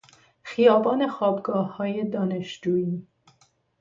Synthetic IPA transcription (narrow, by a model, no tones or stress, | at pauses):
xijɒːbɒːne̞xɒːbɡɒːhːɒːjed̪ɒːneʃd͡ʒuːiː